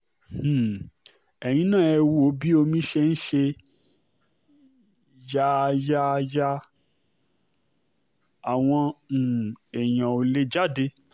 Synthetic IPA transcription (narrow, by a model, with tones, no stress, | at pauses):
h̩˨ | ɛ˨j̃ĩ˧˦nãː˦˨ɛ˧wu˦o˧˦bi˦o˧mĩ˧˦ʃe˧n̩˦ʃe˧ | ja˧ja˧ja˧ | a˨w̃ɔ̃˧˨ | ɛ˨j̃ã˨o˨le˦d͡ʒa˦˨de˧